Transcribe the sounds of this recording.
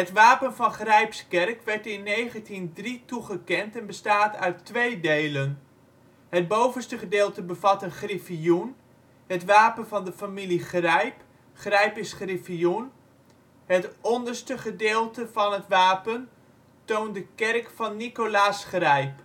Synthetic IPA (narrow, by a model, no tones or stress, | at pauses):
ɦətʋaːpənvɑnχrɛjpskɛrkʋɛɹtɪnːejχəntindrituχəkɛntɛnbəstaːtœ̰ɥtːʋejdejlən | ɦət̚bowvənstəχədɪːlˠtəbəvɑtənχrifijun | ɦətʋaːpənvɑndəfamiliχrɛjp | χrɛjpɪsχrifijun | ɦətɔndərstəχədɪːlˠtəv̥ɑnɦətʋaːpən | towndəkɛrkfɑnːikolaːsχrɛjp